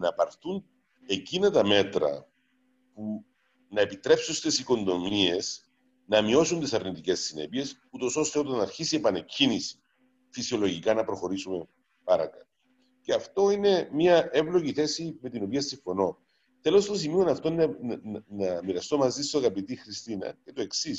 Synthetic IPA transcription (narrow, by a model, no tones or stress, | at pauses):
nɐpɐɾθun | e̞cinɐt̪ɐme̞t̪ɾɐ̰ | pu | nɐepit̪ɾe̞psust̪esiko̞nd̪o̞mie̞s | nɐmio̞sunt̪isɐɾnit̪ice̞sːine̞̰pie̞s | ut̪o̞so̞st̪eo̞t̪ɐnːɐɾçisie̞pɐne̞cinis | fisio̞lo̞ʝikɐnɐpɾo̞xo̞ɾisume̞ | pɐɾɐ̰kɐt̪ | ceɐft̪o̞ine̞miɐe̞vlo̞ʝiθe̞sime̞t̪ino̞piɐst̪iɱfo̞no̞ | θe̞lo̞st̪ɐs̬imionɐft̪o̞n | nɐmiɾɐst̪o̞mɐzist̪oɣɐpit̪ixɾist̪inɐ̰ce̞t̪oe̞ksis